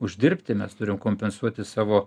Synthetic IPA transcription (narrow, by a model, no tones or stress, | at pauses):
ʊʒʲd̪ʲɪrʲpʲt̪ʲɪmʲɛst̪ʊɾʲɪmkoːmʲpʲɛnsuɔt̪ʲɪsɑːʋoː